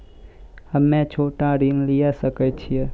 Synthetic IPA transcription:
əmɛ̃t͡ʃʰoʈãɾiŋlijaʃəket͡ʃʰie

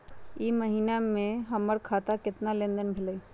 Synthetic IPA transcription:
iːməɦiːnamẽɦɐməɾkʰaːt̪akɪt̪nalẽːnd̪ənbʱɪləi

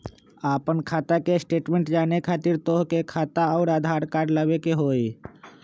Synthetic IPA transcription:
aːpənkʰaːt̪akesʈeːʈmẽːɳʈd͡ʒaːnekʰaːt̪ɪɾt̪oːɦkekʰaːt̪aɔːɾaːd̪ʱaːɾkaːɾləbekeɦoːi

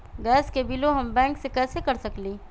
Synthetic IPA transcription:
ɡɛːskebiloɦɐmbɛ̃ːŋksekɛːsekɐɾsɐklĩː

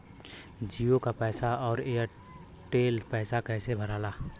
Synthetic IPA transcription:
d͡ʒiːõkapɛːsaɔːɾeː | ʈeːlpɛːsakɛːsebʱəɾaːlaː

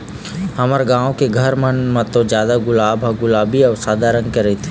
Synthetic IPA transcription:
ɦɐməɾɡãːõkeɡʱəɾmənmẽt̪õd͡ʒjaːd̪aɡʊlaːbʱɦaɡʊlaːbiɔːsaːd̪ʱaɾə̃ŋɡ̚kəɾet̪ʰe̥

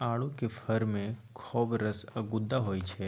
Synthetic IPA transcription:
aɭũkefʰəɾmẽkʰɔbɾəsəɡud̪ːaɦojt͡ʃʰe

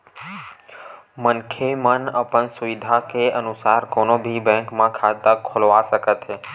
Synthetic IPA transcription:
mənkʰemənəpənsuʋid̪ʱakeənusaɾkonobʱibɛ̃ŋkmãkʰad̪əkʰolʋaʃəkət̪ʰe

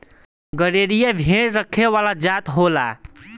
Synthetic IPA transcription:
ɡəɾeɾijabʱeɾɾəkʰewalad͡ʒat̪ɦola̰

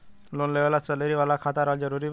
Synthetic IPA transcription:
lonleʋalat͡səleɾiʋalakʰat̪aɾald͡ʒəɾuɾi

